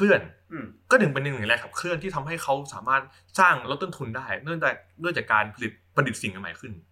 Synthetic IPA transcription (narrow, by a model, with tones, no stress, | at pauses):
kʰɯ˥˩ən˨kɔː˥˩nɯ˩ŋpe˧nje˧ŋn˨˩lɛː˧kʰa˨˩p̚kʰɯ˥˩ənt̪ʰiː˥˩t̪ʰa˧mɦa˥˩jkʰa˦˥wsaː˩˦maː˥˩t̪̚ | saː˥˩ŋɾo˦˥t̪ːo˥˩nt̪ʰu˧ndaː˥˩jnɯ˥˩əŋt͡ɕaː˨˩nɯ˥˩əŋt͡ɕaː˨˩kaː˧npʰa˧li˨˩t̪̚pɾa˧di˨˩si˩˦ŋa˧nma̰ː˨˦jkʰɯ˥˩n